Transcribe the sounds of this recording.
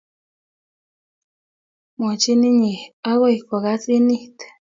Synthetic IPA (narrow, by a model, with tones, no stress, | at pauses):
mo˨t͡ʃi˦ni˦ɲi˨a˦ɣo˦i˨ko˨ɣa˦t͡si˦ni˦t̪